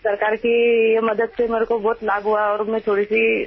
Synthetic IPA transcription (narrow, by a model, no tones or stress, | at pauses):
sɐɾkaːɾkijemɐd̪əd̪semeːɾekobɔːt̪laːbɦuaɔːɾʊmẽt̪ʰoːɽisi